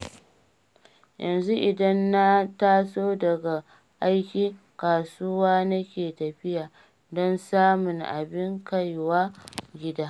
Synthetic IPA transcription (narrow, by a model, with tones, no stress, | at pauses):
jʔɐ̰˨nzu˦ʔɪ˨dɐ˦nːa˦taː˦soː˦dɐ˨ɡa˨ | ʔa˦jkʲiː˦ | kaː˨suː˦waː˦nɐ˦kʲeː˨tɐ˨ɸɪ˦jaː˨ | dɔ˦nsaː˦mʊ˨ŋʔa̰˨bɪ˦ŋka˦jwaː˦ɡʲɪ˦daː˦